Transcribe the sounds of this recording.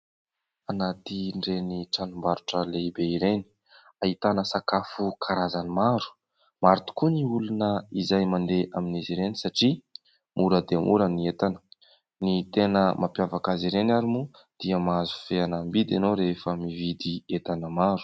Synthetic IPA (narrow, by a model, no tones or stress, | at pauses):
anat̪iɳɖ͡ʐeniʈ͡ʂanumbaɾuʈ͡ʂəleibeiɾeni̥ | ait̪anəsakafukʰaɾazanimaɾu̥ | maɾit̪u̥kuniulunəizajmand̪eʔaminiziɾenisaʈ͡ʂi | muɾəd̪eəmʔṵɾəniet̪anə̥ | nit̪enəmʔapjavakaziɾenaɾimu | d̪̥iəmazu̥feanambid̪anoɾefəmivid̪iet̪anəmaɾu̥